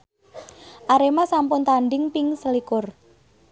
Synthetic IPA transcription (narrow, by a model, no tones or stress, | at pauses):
ʔaɾemasampʊnt̪anɖɪŋpɪŋsəlikʊr